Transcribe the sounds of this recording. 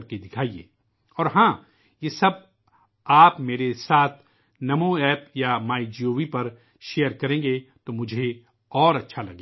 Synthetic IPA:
ɾkid̪ɪkʰaːiḛː | ɔːɾɦãː | jesɐb̚ | aːpmeːɾesaːt̪ʰ | nɐmõɛːpjamaːid͡ʒioːʋipɐɾ | ʃeːjəɾkɐɾẽːŋɡet̪omʊd͡ʒʱe | ɔːɾɐtːʃʰalɐ̰ɡe

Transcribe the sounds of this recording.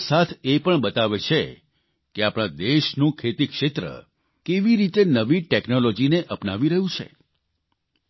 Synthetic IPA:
sat̪ʰepəɳbət̪aʋet͡ʃʰe | keapɽ̃ãd̪eʃnũkʰet̪ikʃet̪ɾə̰ | keʋiɾit̪enəʋiʈeknolod͡ʒineʔəpnaʋiɾəɦũt͡ʃʰḛ

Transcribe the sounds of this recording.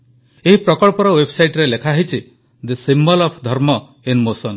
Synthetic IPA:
eɦipɾɔkɔɭɔpɔɾɔwebsajʈɾelekʰaɦit͡ʃʰi | d̪isimbɔlɔpʰd̪ʱɔɾmɔ | enmosɔn

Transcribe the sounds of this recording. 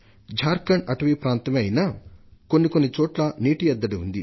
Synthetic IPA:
d͡ʒʱaːɾkɐɳɐʈɐʋipɾaːnt̪ɐmɐjnɐko̞nːikonːit͡ʃɔːʈlɐniːʈijɐd̪ːɐɽiund̪i

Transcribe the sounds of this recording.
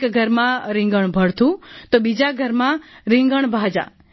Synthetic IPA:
kɡʱəɾmãɾɪ̃ŋɡəɳ̃bʱəɽt̪ũt̪obid͡ʒaɡʱəɾmãɾɪ̃ŋɡəɳ̃bʱad͡ʒa̰

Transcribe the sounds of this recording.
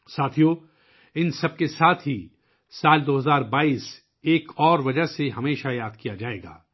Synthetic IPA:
saːt̪ʰijõ | ɪnsɐb̚kesaːt̪ʰɦi | saːld̪oːɦɐzaːɾbaːiːs | eːkɔːɾʋɐd͡ʒəɦseɦɐmeːʃajaːd̪kijad͡ʒaːḛːɡa̰ː

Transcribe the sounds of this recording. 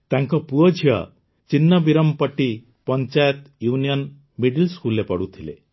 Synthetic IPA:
t̪aŋkɔpuɔd͡ʒʱiɔ̰ | t͡ʃinːɔbiɾɔmpɔʈi | pɔnt͡ʃajɔt̪junijɔn | miɖilskulepɔɽut̪ʰilḛ

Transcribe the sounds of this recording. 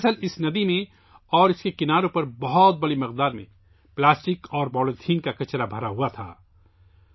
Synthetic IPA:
səlɪsnɐd̪imẽ | ɔːɾɪskekɪnaːɾõpɐɾbɔɦɔt̪̚bɐɽimɪqd̪aːɾmḛ̃ | plaːsʈɪkɔːɾbɔːlet̪ʰiːnkakɐt͡ʃɾabʱɐɾaɦuat̪ʰa̰ː

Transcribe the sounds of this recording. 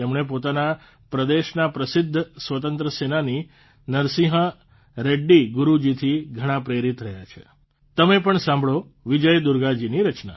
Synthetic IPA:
emɳ̃ep̬ot̪ana | pɾəd̪eʃnapɾəsɪd̪ʱːsʋət̪ənt̪ɾəsenani | nəɾsiɦə̃ | ɾeɖːiɡʊɾud͡ʒit̪ʰiɡʱəɽ̃ãpɾeɾit̪ɾəɦja̰t͡ʃʰḛ | t̪əmepəɳsãmbʱɭo | ʋid͡ʒəjd̪ʊɾɡad͡ʒiniɾət͡ʃna̰

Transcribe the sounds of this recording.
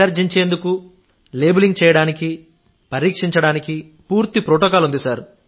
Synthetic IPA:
ɐɾd͡ʒiɲt͡ʃeːnd̪uku | le̞ːbuliŋɡt͡ʃɛːjɐɽaːniki | pɐɾiːkʂiɲt͡ʃɐɽaːniki | puːɾt̪ipɾoːʈoːkaːlund̪isaːɾ

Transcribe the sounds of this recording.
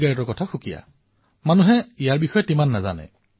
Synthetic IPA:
ɡaɹitɔɹkɔtʰaxukija̰ | manuɦɛijaɹbixɔjɛtimanːaza̰nɛ̰

